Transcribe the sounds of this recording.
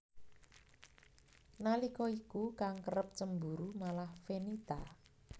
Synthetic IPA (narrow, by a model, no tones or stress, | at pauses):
nalikɔikukaŋkərəp̚t͡ʃəmbuɾumalahfenit̪a